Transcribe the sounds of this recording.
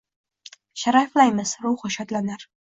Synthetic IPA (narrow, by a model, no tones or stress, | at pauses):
ʃaɾaflajmɪz̥ɾʊwχʊʃat̪lanaɾ